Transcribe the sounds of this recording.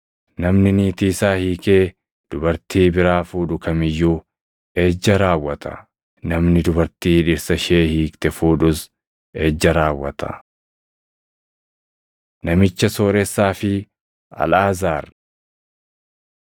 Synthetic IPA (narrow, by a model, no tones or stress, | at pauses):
nɐmnɪniːt̪iːsaːhiːke̞ː | d̪̥ʊbɐɾt̪iːbɪɾaːfuːᶑʊkɐmɪjːuː | eːd͡ʒːɐɾaːwːɐt̪ʰɐ̥̰ | nɐmnɪd̪ʊbɐɾt̪iːᶑɪɾsɐʃe̞ːhiːkt̪ɛfuːᶑʊs | eːd͡ʒːɐɾaːwːɐt̪ʰɐ̥̰ | nɐmɪt͡ʃːɐsoːɾɛsːaːfɪ | ɐ̰laːzaːɾ